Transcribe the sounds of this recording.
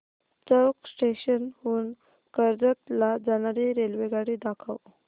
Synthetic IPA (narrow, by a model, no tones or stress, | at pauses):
t͡səwksʈeɕənhuːn | kəɾd͡zət̪lad͡zanaɾiɾelʋeɡaɽiːd̪akʰəw